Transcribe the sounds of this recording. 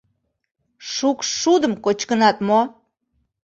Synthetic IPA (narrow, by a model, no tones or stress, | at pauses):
ʃukʃːud̪əmkot͡ɕkənɑt̪mo